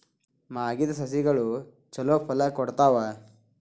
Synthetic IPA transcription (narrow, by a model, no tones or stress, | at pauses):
maːɡid̪ɐs̬ɐs̬iɡɐɭu | t͡ʃɐloːpʰɐlɐkɔɽt̪aːʋɐ